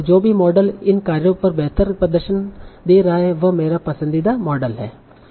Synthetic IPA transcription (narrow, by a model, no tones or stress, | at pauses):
d͡ʒoːbʱimɔːɖəlɪnkaːɾjõpɐɾbɛɦt̪əɾpɾɐd̪əɾʃənd̪eːɾaɦeʋɐmeːɾapɐsə̃nd̪id̪amɔːɖəlɦɛ̰ː